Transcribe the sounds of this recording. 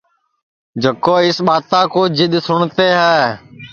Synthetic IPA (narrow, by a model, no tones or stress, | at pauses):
d͡ʒʱəkoːɪsɓaːt̪ãːkoːd͡ʒɪɗ̪sʊɳt̪eːɦaː